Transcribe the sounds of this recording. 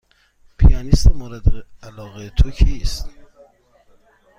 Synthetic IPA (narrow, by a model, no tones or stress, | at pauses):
pʰijɑnist̪emoɾæd̪eælɒːɣet̪ʰokʰiːst̪